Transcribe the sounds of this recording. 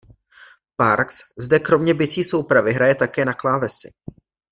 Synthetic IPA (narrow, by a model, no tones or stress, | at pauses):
paɾkszdɛkɾo̞mɲɛbɪt͡siːso̞wpɾavɪɦɾajɛt̪akɛːnaklaːvɛsɪ̰